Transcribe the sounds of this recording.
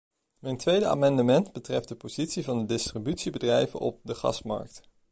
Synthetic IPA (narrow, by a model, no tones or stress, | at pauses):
mɛjntʋejdəa̰ːmɑndəmɛndbətrɛft̚dəpoz̥itsivɑndədɪstribytsibədrɛjvə̰nɔ̰p̚dəχɑ̰smɑ̰ɹk̚t